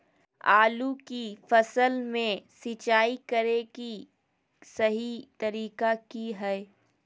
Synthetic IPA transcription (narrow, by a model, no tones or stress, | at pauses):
aːlukifɐsəlmẽsɪt͡ʃaːikɐɾeki | sɐɦit̪ɐɾiːkakiɦɛː